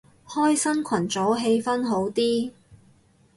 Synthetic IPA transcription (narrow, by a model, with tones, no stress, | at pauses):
hɔː˥jsɐ˥nkʷʰɐ˨˩nt͡sɔː˨˥ɦe˧jfɐ˥nɦo˨˥wt̪iː˥